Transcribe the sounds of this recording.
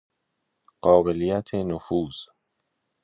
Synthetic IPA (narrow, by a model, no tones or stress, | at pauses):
ɢ̥ɒːbe̞lijæt̪ʰenofuːz̥